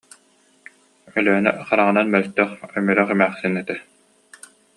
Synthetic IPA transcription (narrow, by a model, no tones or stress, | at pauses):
œlœnɛ̰χaɾaʁɯnanmœlt̪œχœmyɾœχɛmæːχsinɛt̪ɛ